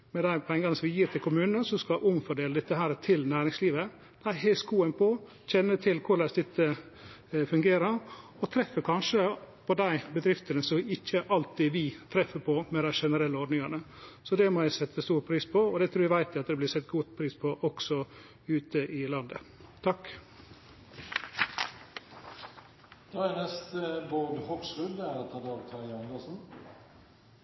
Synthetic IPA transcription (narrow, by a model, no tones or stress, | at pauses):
mɛd̪æɪpʰɔɛɪŋɡɑnəsɔmʋɪjiːɾt̪ʰɪlkʰʊmʉːnnənsɔskɑʔʊmfɔɖeːləd̪ɛt̪ːəɦæːɾət̪ʰɪlnæːɾɪŋsliːʋə | d̪̥æɪɦɛskuːənpʰɔ | çɛnːət̪ʰɪlkʰʊɾɭæsd̪ɛt̪ʰːə | fʉŋɡeːɾəɾ | ɔt̪ʰɾɛfːəkʰɑnʂəpʰɔd̪æɪbəd̪ɾɪft̪ənəsɔmɪçːəʔɑlt̪ːɪʋɪt̪ʰɾɛfːəpʰɔmɛd̪æɪʂɛnəɾɛlːəɔɖnɪŋɑnə | sɔd̪ɛmɔjæɪsɛt̪ʰːəst̪uːɾpʰɾiːspʰɔɔd̪ɛt̪ʰɾuːɾæʋæɪt̪ɪɑt̪d̪ɛblɪːsɛt̪̚ːɡuːt̪pʰɾiːspʰɔʔɔksɔ | ʉːt̪əʔɪlɑnd̪ə | t̪ʰɑk | d̪̥ɑːænɛst̪əbod̪hɔksʁʉd̪æɾt̪ʰɑːd̪ɑːɡt̪ʰɑɑnd̪əsn̩